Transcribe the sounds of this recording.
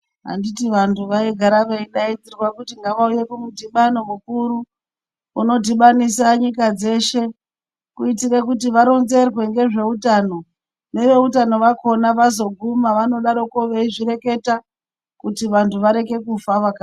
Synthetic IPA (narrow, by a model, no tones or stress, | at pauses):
ɦa̰nditiʋantʰuʋaeɡʱaɾaʋeiɗaid͡zirwakutiŋɡaʋauje̞kumudʱiɓano̞mukuɾu | uno̞diɓanisaɲikad͡ze̞ʃe̞ | kuitiɾekutiʋaɾo̞nze̞rwe̞ŋɡe̞ʐe̞utaːno̞ | ne̞ʋe̞utano̞ʋakʰo̞naʋazo̞ɡʱumaʋano̞ɗaɾo̞koʋeiʐiɾe̞ke̞ta | kutiʋantʰuʋaɾe̞ke̞kufaʋaka